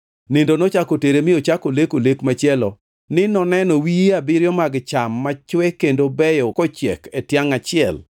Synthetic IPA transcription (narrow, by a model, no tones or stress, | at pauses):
nɪndonɔt͡ʃakoteɾemɪot͡ʃakolekolekmat͡ʃɪɛlɔ | nɪnɔnɛnɔwiabɪɾjɔmaɡt͡ʃamːat͡ʃwɛkendobɛjɔkɔt͡ʃɛ̰ketjaŋat͡ʃɪɛl